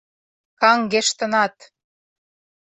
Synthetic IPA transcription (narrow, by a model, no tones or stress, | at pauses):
kɑŋɡeʃt̪ə̆nɑt̪